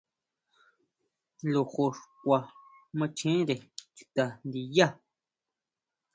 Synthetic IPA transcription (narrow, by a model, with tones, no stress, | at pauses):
lo˨xo˧˨ʂkʷa˧ | mã˧t͡ʃʰĩ˦ɾe˨t͡ʃi̥˧t̪a˨nd̪i˧ja˦